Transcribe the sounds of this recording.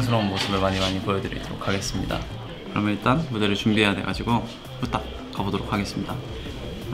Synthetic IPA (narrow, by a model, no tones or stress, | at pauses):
nsʰɯɾʌmːosʰɯbɯɭmaɲimaɲipojʌdɯɾḭd͈oɾo̰kʰaɡe̞s͈ɯmɲḭda̰ | kɯɾʌmjʌniɭt͈anmudeɾɯɭt͡ɕumbiɦe̞jadwe̞ɡad͡ʑiɡo | put͈ʰak̚ | k͈abodoɾokʰːaɡe̞s͈ɯmɲida